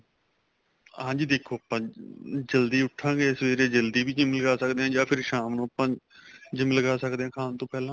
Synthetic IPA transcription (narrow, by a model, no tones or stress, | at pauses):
ɦãːd͡ʒiːd̪eːkʰoːəpãːd͡ʒəld̪iːʊʈʰːãːɡeːɪsʋeːɾeːd͡ʒəld̪iːbiːd͡ʒɪmləɡaːsəkd̪eːɦãːd͡ʒãːpʰɪɾʃaːmnũːəpãː | d͡ʒɪmləɡaːsəkd̪eːɦãːkʰaːnt̪õːpɛːlãː